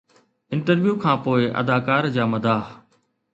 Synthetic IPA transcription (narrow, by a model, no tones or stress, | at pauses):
ɪ̃ɳʈəɾʋjuːkʰãːpoːɪʔɐ̰d̪aːkaːɾd͡ʑaːmɐd̪ʱaː